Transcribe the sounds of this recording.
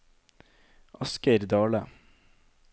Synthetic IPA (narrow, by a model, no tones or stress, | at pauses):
ʔɑskəɾd̪ɑːlə